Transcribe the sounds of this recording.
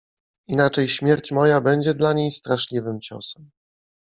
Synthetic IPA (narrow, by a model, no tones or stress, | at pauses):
inat͡ʂɛjɕmʲjɛɾt͡ɕmɔjabɛɲd͡ʑɛd̪laɲejst̪ɾaʂlʲivɘmt͡ɕɔ̰sɛm